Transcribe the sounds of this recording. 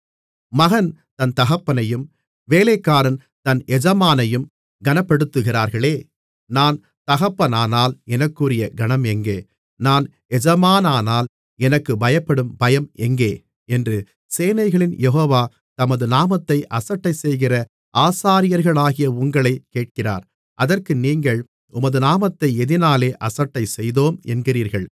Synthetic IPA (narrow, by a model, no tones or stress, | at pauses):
mɐɣɐnt̪ɐnt̪ɐɣɐpːɐnɐjɯm | ʋeːlekːaːɾɐn | t̪ɐnɛd͡ʒɐmaːnɐjɯm | ɡɐnɐpːɐɽɯt̪ːɯɣɪraːɾɣɐɭeː | naːn | t̪ɐɣɐpːɐnaːnaːlɛnɐkːurɪjɐɡɐnɐmɛŋɡeː | naːn | ɛd͡ʒɐmaːnaːnaːl | ɛnɐkːɯbɐjɐpːɐɽɯmbɐjɐmɛŋɡeː | ɛndrɯ | seːnɐɪɣɐɭɪnjɛɦoːʋaː | t̪ɐmɐðɯnaːmɐt̪ːɐɪʔɐsɐʈːɐɪsɛjɣɪrɐ | ʔaːsaːɾɪjɐɾɣɐɭaːɣɪjɐʊŋɡɐɭɐɪkːeːʈ̚kɪra̰ːɾ | ʔɐðɐrkɯniːŋɡɐɭ | ʊmɐðɯnaːmɐt̪ːɐɪɛðɪnaːleːʔɐsɐʈːɐɪsɛjðoːmɛ̰nɡɪriːɾɣɐɭ